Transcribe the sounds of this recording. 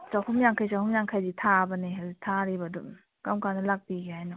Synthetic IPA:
sawhumjaŋkʰajsawhumjaŋkʰajditʰabɐneɦazitʰaɾibɐdu | kamkʰanɐlak̚biɡeɦajnɔ

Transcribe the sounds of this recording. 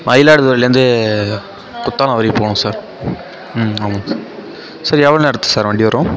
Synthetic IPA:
mʔɐɪlaːɽɯðʊːɾɐlːɐɾɯnd̪ɯ | kʊt̪ːaːl̃ɐʋɐɾɪpoːɳũsaːɾ | aːmɐ | sɐɾiɛʋɐɭɐnɛɽɐt̪ːɯ̥saːɾʋɐɳɖɪʋɐɾõː

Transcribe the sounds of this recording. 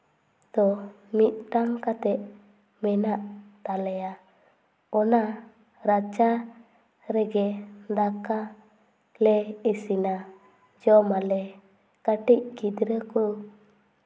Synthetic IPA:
d̪̥ɔ | mit̪̚ˀʈaŋkat̪ɛʔ̚ | mɛnaʔt̪alɛja | ɔna | ɾat͡ʃa | ɾɛɡɛd̪aka | lɛisina | d͡ʒɔmalɛ | kaʈic̚kid̪ɾəku

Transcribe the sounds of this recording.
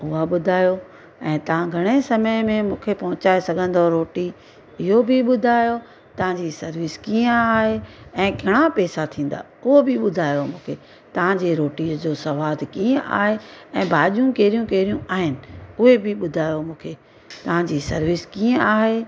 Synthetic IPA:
ʊɦaɓʊd̪ʱaːjo | ɛ̃ːt̪ɐʋ̤ãɡʱɐɽ̃esɐməmẽmũːkʰepɐɦʊ̃t͡ɕaːesɐɡʱə̃nd̪oɾoːʈi | ɪɦobʱɪɓʊd̪ʱaːjo | t̪ɐʋ̤ãɲd͡ʑisɐɾʋɪskiːə̃aːɦeɛ̃ːɡʱɐɽ̃apɛːsat̪ʰĩːn̆d̪a̰ːʊɦobɪɓʊd̪ʱaːjomũːkʰe | t̪ɐʋ̤ãɲd͡ʑeɾoːʈiːd͡ʑoːsɐʋaːd̪ʱkiːə̃ʔa̰ːɦeɛ̃ːbʱaːʄjũkeːɾijũkeːɾijũʔaːɦɪnɪ̆ʊɦebʱɪɓʊd̪ʱaːjomũːkʰeː | t̪ɐʋ̤ãɲd͡ʑisɐɾʋɪskiːə̃aːɦeː

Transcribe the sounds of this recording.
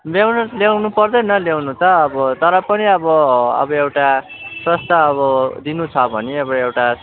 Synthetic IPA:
bjewnʌlewnupʌrd̪ʌjnʌljewnut̪ʌːbʌt̪ʌɾʌpʌniʌbʌʌ̰bʌewʈa | prʌst̪aːβʌd̪inut͡sʰʌbʱʌneʌbewʈa

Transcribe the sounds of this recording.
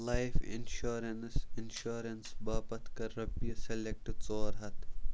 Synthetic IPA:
laɪfɪ̰nʃoːɾɐnsɪnʃoːɾɐnsbaːpɐt̪ʰkɐɾɐbijɐselek̚ʈɪt͡soːɾɦɐt̪ʰ

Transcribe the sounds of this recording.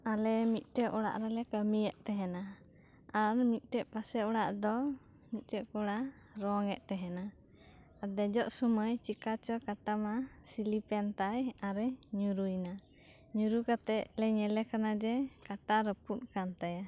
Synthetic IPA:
alɛmit̪̚ˀʈɛʔɔɽa̰ʔɾalɛkəmijɛʔ̚t̪ɛɦɛna | aɾmit̪̚ˀʈɛʔpasɛʔɔɽaʔd̪ɔ | mit̪̚ˀʈɛʔkɔɽa | ɾɔŋɛʔ̪̚t̪ɛɦɛna | ad̪ɛd͡ʒɔʔsuməjt͡ʃikat͡ʃɔkaʈamasilipɛnt̪ajaɾɛɲuɾujna | ɲuɾukat̪ɛʔlɛɲɛlɛkanad͡ʒɛkaʈaɾəput̪̚kant̪aja

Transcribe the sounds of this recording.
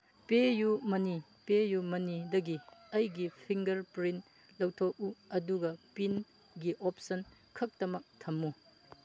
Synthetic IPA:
pejumɐni | pejumɐnidɐɡiɐjɡipʰiŋɡɐɾpɾint | lɐwtʰok̚uɐduɡɐpin | ɡiʔop̚sɐn | kʰɐk̚tɐmɐk̚tʰɐmːu

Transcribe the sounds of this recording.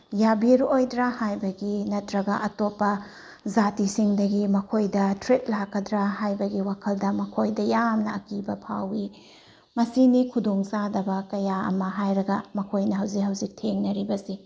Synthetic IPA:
jabiɾojdɾahajbɐɡinɐtɾɐɡɐʔɐtopːɐ | zatisiŋdɐɡimɐkʰojdɐtɾet̚lakːɐdɾahajbɐɡiwakʰɐldɐmɐkʰojdɐjamnɐɐkibɐpʰawi | mɐsinikʰudoŋsadɐbɐkɐjaɐ̰mɐɦajɾɐɡɐmɐkʰojnɐɦɐwzikɦɐwzik̚tʰeŋnɐɾibɐsi

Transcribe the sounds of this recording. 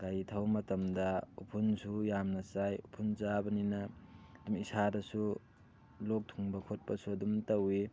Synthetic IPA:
ɡajtʰɐwmɐtɐmdɐupʰunsujamnɐsajupʰunzabɐninɐdumisʰadɐsu | lok̚tʰuŋbɐkʰot̚pɐsuɐdumtɐwi

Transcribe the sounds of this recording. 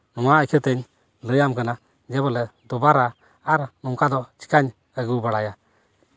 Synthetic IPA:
nʊwaəkʰət̪eɲ | ləjamkəna | d͡ʒɛbɔlɛd̪ʊbaɾaː | ɾnʊŋkad̪ɔt͡ʃi̥kaɲ | əɡuwbəɽaja

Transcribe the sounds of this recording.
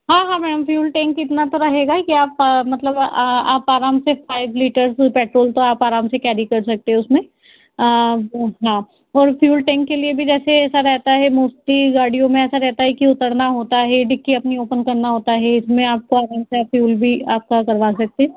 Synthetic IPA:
ɦãːɦãːmɛːɖəmfjuːlʈɛ̃ːŋkɪt̪nat̪oɾɐɦeːɡakiaːpmɐt̪ləba̰ːpaːɾaːmsefʰaːɪʋliːʈəɾzpɛːʈɾoːlt̪oaːpaːɾaːmsekɛːɾikɐɾsɐk̚t̪eɦɛ̃ʊsmẽ | ɦãː | ɔːɾfjuːlʈɛ̃ːŋkːeliebʱid͡ʒɛːseɛːsaɾɛɦt̪aɦɛmoːsʈiɡaːɽijõmẽɛːsaɾɛɦt̪aɦɛkiʊt̪əɽnaɦoːt̪aɦɛɖɪkːiɐpnioːpənkɐɾnaɦoːt̪aɦɛɪsmẽaːp̚koaːɾaːmseaːpfʰjuːlbʱiaːp̚kakɐɾʋaːsɐk̚t̪ẽɦɛ̃ː

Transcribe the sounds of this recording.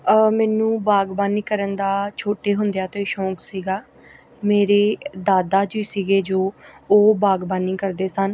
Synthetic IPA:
mɛːnũːbaːɡbaːniːkəɾənd̪aːt͡ʃʰoːʈeːɦʊnd̪ejaːt̪õːiːʃɔ̃ːksiːɡaː | meːɾeːd̪aːd̪aːd͡ʒiːsiːɡeːd͡ʒoːoːbaːɡbaːniːkəɾd̪eːsən

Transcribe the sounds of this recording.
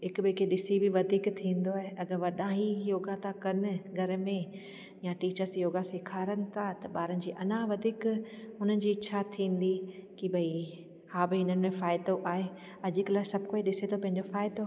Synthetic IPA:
ɦɪkbeːkʰeɗɪsibɪʋɐd̪ʱiːkt̪ʰĩːn̆d̪oaːɦeʔɐɡəɾʋɐɗãɦijoːɡat̪akɐnɪ̆ɡʱɐɾmẽ | jaʈiːt͡ɕəɾsjoːɡaseːkʰaːɾənɪ̆t̪ʰat̪ɐɓaːɾənɪ̆d͡ʑiːʔɐnãʋɐd̪ʱiːkɦʊnənɪ̆d͡ʑiːɪʃʰat̪ʰĩːn̆d̪ikibʱɐi | haːbɪɪnənɪ̆mẽfaːɪd̪oʔaːɦe | ɐʄɪklaːɪsɐbʱɪkoːiɗɪset̪ʰopɐ̃ɦɪ̃ɲ̆d͡ʑofaːɪd̪o

